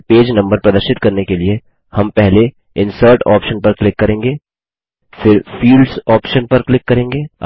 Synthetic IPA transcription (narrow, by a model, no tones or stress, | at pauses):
peːd͡ʒnɐ̃mbəɾpɾɐd̪əɾʃɪt̪kɐɾnekelie | hɐmpɛɦle | ɪ̃nsəɾʈɔ̰ːpʃənpɐɾklɪkːɐɾẽːŋɡeː | fɪɾfiːlɖsɔːpʃənpɐɾklɪkːɐɾẽːŋɡeː